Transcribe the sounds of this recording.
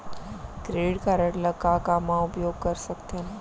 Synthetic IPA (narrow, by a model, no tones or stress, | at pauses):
ɡɾeːɽkaɾəʈlɐkːakaːmãʊpjoːɡ̚kɐɾsɐkt̪ʰiənɪ̆